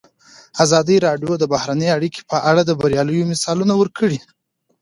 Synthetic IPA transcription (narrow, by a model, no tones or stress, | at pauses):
azɑd̪əɾɑɖjod̪əbahɾanəjaɽikʰe̥pəʔaɽad̪əbaɾjɑləjomɪsɑlunawəɾkʰəɽi